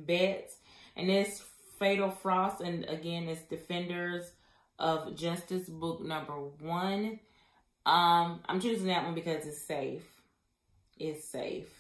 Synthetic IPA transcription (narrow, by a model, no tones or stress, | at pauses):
bɪtsʔɨ̰̃nðɪs | feɪɾl̩ˠfɹɔstɨ̃nɨ̰ɡɛ̃nɪtsd̥ɨfɛ̃ndə˞z | ʔʌvd͡ʒʌstɨsbʊk̚nʌ̃mbə˞wʌ̃n | ʔʌ̃mã̰ɪ̃mt͡ʃʰʉzɪ̃ŋðɨt̚ʔwʌ̃nbɨkʌzɨtseɪf | ʔɪtsḛɪf